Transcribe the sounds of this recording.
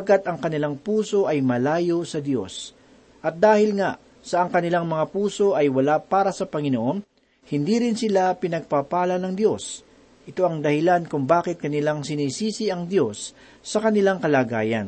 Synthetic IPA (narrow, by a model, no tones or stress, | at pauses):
ɡat̪ɐŋkɐnɪlaŋpuːso̞ʔɐjmɐlaːjo̞sɐd̪jo̞̰s | ʔɐt̪̚d̪aːhɪlŋaʔ | sɐʔɐŋkɐnɪlaŋmɐŋapuːso̞ʔɐjwɐlapaːɾɐsɐpɐŋɪnoʔo̞n | hɪnd̪iːɾɪnsɪlapɪnɐɡ̚papaːlɐnɐŋd̪jo̞s | ʔɪt̪o̞ʔɐŋd̪ɐhɪlankʊŋbaːkɪt̪̚kɐnɪlaŋsɪniːsiːsɪʔɐŋd̪jo̞sː | ɐkɐnɪlaŋkɐlaːɡaːjɐ̰n